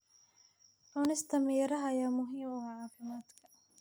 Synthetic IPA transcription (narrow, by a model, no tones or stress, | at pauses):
ʔʊnɪst̪ʰɐmijɾɐɦɐjaːmʊɦiːmʊhaʕaːfɪmaːd̪kʰɐ̥